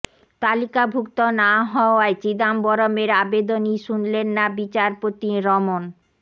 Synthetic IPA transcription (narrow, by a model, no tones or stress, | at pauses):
t̪alikabʱuk̚t̪onaɦɔoaet͡ɕid̪ambɔɾomeɾabed̪oniʃunlenːabit͡ɕaɾpot̪iɾɔmon